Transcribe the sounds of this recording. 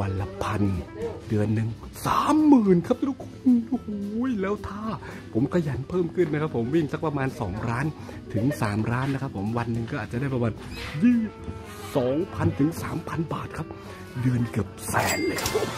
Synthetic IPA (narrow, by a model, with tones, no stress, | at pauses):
wa˧nla˧pʰa˧ndɯ˧ənːɯ˨ŋ | saː˨˩˦mːɯː˨˩nkʰa˦˥p̚u˥˩kʰu˧hu˨˩˦jlɛː˦˥wt̪ʰaː˥˩ | pʰo˩˦mkʰa˧ja˨˩˦npʰɤː˥˩mkʰɯ˥˩nːa˦˥kʰa˦˥pʰːo˩˦mwi˥˩ŋsa˦˥kpɾa˧maː˧nsɔː˩˦ŋɾaː˦˥n | t̪ʰɯ˩˦ŋsaː˩˦mɾaː˦˥nːa˦˥kʰa˦˥pʰːo˩˦mwa˧nːɯ˧ŋkɔː˥˩ʔaː˨˩t͡ɕa˨˩da˥˩pɾa˧maː˧njiː˥˩ | sɔː˩˦ŋpʰa˧nt̪ʰɯ˩˦ŋsaː˩˦mpʰa˧nbaː˨˩t̪̚kʰa˦˥p̚ | dɯ˧ənkɯ˨˩əp̚sɛː˩˦nkʰa˦˥p̚